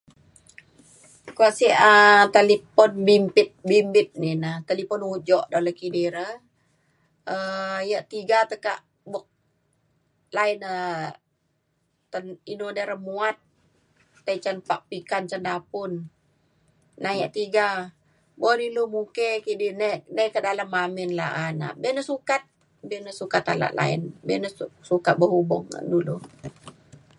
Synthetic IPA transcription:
kuasiʔət̪elipɔnbimpɪt̪̚bimbɪt̪̚ninət̪əlipɔnud͡ʒɔʔdaləkidiɾə | əjəʔt̪iɡat̪əkaʔ | bɔk̚ | lainə | t̪əninonəɾəmuat̪̚ː | ət͡ʃənpaʔ̚pikant͡ʃəndapʊn | ajaʔt̪iɡa | bonilumukekidinenəkədalamːaminla̰ʔana̰bɛnəsukat̪̚ | bɛnəsukat̪a̰la̰ʔla̰ɪ̰nbɛnəsukat̪̚bəɦubɔŋ̰dulu

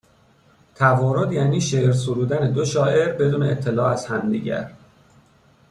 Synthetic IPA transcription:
t̪ʰævɒːɾod̪jæːniːʃeɾs̬oɾuːd̪æned̪oʃɒːʔe̞ɾbe̞d̪uːneːt̪ʰːe̞lɒːæz̥hæmd̪ḭɟæ̰ɾ

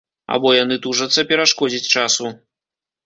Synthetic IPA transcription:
a̰bɔjanɨt̪uʐɐt̪sːɐpʲɛɾaʂkɔd͡zʲit͡sʲt͡ʂasu

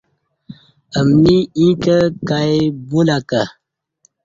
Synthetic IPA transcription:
əmniĩkəkajbolaka

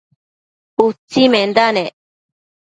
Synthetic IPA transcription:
ut͡simẽnd̪ane

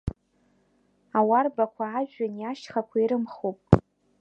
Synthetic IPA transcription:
awarbakʷʰaːʒᶣanjaʃχakʷʰaiɾɨmχopʼ

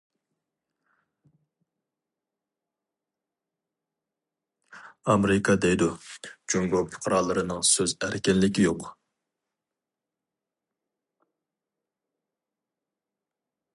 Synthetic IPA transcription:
ɑmɾɪkʰɑd̪ɛjd̪ud͡ʒoŋɡopʰʊ̥qʰəɾɑːlˠːɨɾɨnɨŋsøzæɾkʲɛnlɪkʲijoq

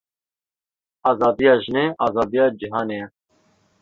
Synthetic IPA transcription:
ɑːzɑːd̪ijɑːʒineːʔɑːzɑːd̪ijɑːd͡ʒiɦɑːneːjɛ

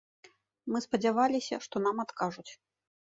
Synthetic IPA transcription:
mɨspɐd͡zʲavalʲisʲɐʂt̪ɔnamat̪kaʐut͡sʲ

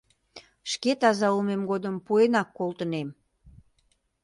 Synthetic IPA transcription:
ʃket̪ɑzɑumemɡod̪əmpuenɑkːolˠt̪ənem

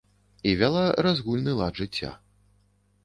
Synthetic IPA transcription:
ivʲalˠaɾazɣulʲnɨlˠaʐɨt͡sʲːa̰

